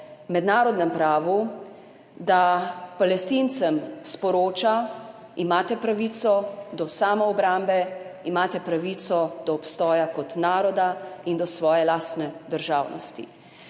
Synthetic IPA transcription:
mɛd̪naːɾɔd̪nɛmpɾaːʋu | d̪apalɛst̪int̪sɛmspɔɾoːt͡ʃa | imaːt̪ɛpɾaʋit̪sɔd̪ɔsaːmɔɔbɾambɛimaːt̪ɛpɾaʋit̪sɔd̪ɔɔpst̪ɔːjakɔt̪naːɾɔd̪aind̪ɔsʋɔːjɛlaːst̪nɛd̪əɾʒaːwnɔst̪ḭ

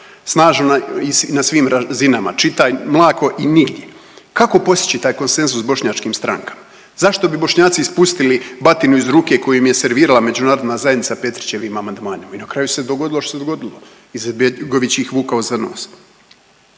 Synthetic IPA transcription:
snaːʒnonainasʋiːmɾazinama̰t͡ʃit̪ajmlˠaːkʰo̞ʔiniɡd̪je̞ | kako̞po̞st̪i̥t͡ɕit̪aːjko̞nse̞nzusːbo̞ʃɲat͡ʃkiːmst̪ɾa̰ŋkḁma | zaʃt̪o̞bibo̞ʃɲaːt̪siispust̪ilibat̪inuizɾuːke̞ko̞jijmje̞se̞ɾʋiːɾalame̞d͡ʑunaːɾo̞d̪naːzajed̪nit̪sape̞t̪ɾi̥t͡ɕe̞ʋimamand̪maːnimainakɾajuse̞d̪oɡo̞d̪iloʃt̪osed̪oɡo̞d̪ilˠo̞ | ized̪̚beɡo̞ʋit͡ɕixʋuːkaozano̰ːs

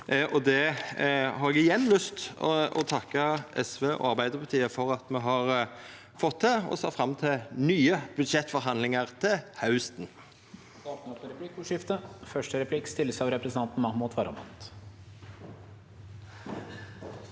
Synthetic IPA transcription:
ʔɔd̪ɛ | hɑɾɛɡɪjɛnːlʏst̪ɔ̰t̪ʰɑkːəɛsʋeːʔɔ̰ɑɾbæɪd̪əɾpʰɑt̪ʰiːəfɔɾɑt̪mɛɦɑʁ | fɔt̪̚d̪ɛɔ̰sɑt̪fɾɑmːt̪ʰɪnyːəb̥ʉd̪ʃɛt̪ːfɔɾɦɑnd̪lɪŋəʁt̪ʰɪhɑʉst̪n | d̪ɑːt̪nəpʰɔɾɛpʰlɪkːuʂɪft̪əfœʂʈəɾɛpʰlɪkst̪ɪlːəsɑʋɾɛpɾsən̩ɑnt̪n̩mɑhmʊt̪ʰʋɑɾɑ̰mɑ̰nt̪

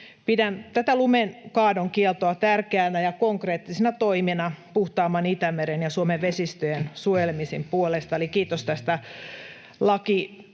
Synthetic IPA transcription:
pidænt̪æt̪ælumenkɑːdoŋkiɛlt̪oɑt̪ærkeænæjɑkoŋkreːt̪ːisenɑt̪oiminɑpuht̪ɑːmːɑnit̪æmeɾenjɑsuomeʋʋesist̪øjensuojelmisimpuolest̪ɑolikiːt̪ost̪æst̪æ | lɑki

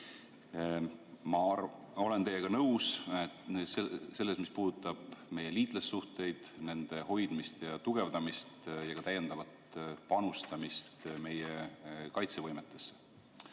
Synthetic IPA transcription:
mɑ | o̞le̞nt̪e̞jeɡ̥ɑnɤws | sese̞lːesmispuːd̪̥ut̪ˑːɑb̥me̞je̞liːt̪ˑlesːuht̪e̞jd̪̥ne̞nd̪̥e̞ho̞jd̪̥mist̪jɑt̪uɡ̥e̞vd̪ɑmist̪jɑɡ̥ɑt̪æje̞nd̪̥ɑvɑt̪pɑnust̪ɑmist̪me̞jekɑjt̪se̞vɤjmet̪ːˑe̞̥se̥

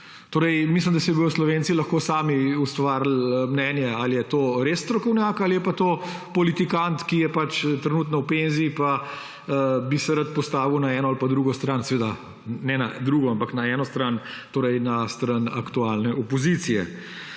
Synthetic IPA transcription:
t̪oːɾɛjmislimd̪ɐsɛbɔjɔslɔʋentsilɐxkoːsaːmiust̪ʋaːɾl̩mnɛnjɛaljɛt̪oːɾesst̪ɾɔkɔwnjakalijɛpat̪oː | pɔlit̪ikant̪kijɛpat͡ʃt̪ɾɛnuːt̪nɔwpenziːpa | bisɛɾat̪̚pɔst̪aːʋiwnaɛːnɔalpad̪ɾuːɡɔst̪ɾansɛʋed̪a | nɛna̰d̪ɾuːɡɔampaknaɛnɔst̪ɾan | t̪oːɾɛjnast̪ɾana̰kt̪ualnɛɔpɔzit̪sijɛ̰

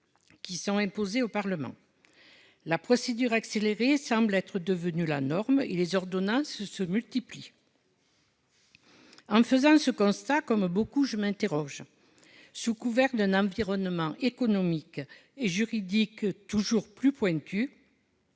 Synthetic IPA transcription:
kʲisɔ̃ɛ̃mpozeopaʁləmɑ̰̃ | lapχɔsed̪yʁakseleʁesɑ̃blɛt̪χəd̪əvənyla̰nɔʁmelezɔʁd̪ɔnɑ̃ssəmylt̪ipli | ɑ̃fəzɑ̃səkɔ̃st̪akɔmbokuʒəmɛ̃nt̪eʁɔʒ | sukuvɛʁd̪ɛ̃nɑ̃viʁɔnmɑ̃ʔekɔnɔmikeʒyʁid̪ikt̪uʒuʁplypwɛ̃t̪ʰy

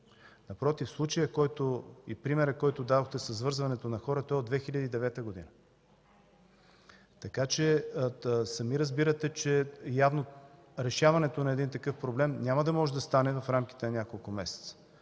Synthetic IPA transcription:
nɐpɾɔt̪ifslˠut͡ʃɐjəkɔjt̪oḭpɾimɛɾəkɔjt̪ʊd̪ad̪oxt̪ɛsəzvɤɾzvɐnɛt̪onɐxɔɾət̪ɔɛod̪vɛxilʲɐd̪iːd̪ɛvɛt̪əɡod̪ḭnə | t̪ɐkat͡ʃɛ | sɐmiɾɐzbiɾət̪ɛt͡ʃɛjavno | ɾɛʃavɐnɛt̪onɐɛd̪int̪ɐkɤfpɾoblɛmnʲamɐd̪ɐmɔʒɛd̪ɐst̪anɛvɐfɾamk̟i̥t̪ɛnɐnʲakolˠkʊmɛsɛ̥t̪sə̥

